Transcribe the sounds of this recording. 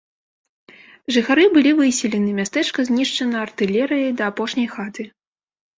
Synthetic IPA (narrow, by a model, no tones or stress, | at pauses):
ʐɨxaɾɨbɨlʲivɨsʲilʲɛnɨmʲast̪ɛt͡ʂkɐzʲnʲiʂt͡ʂɐnɐːrt̪ɨlʲɛɾɨjɐjd̪ɐːpɔʂnʲɐjxat̪ɨ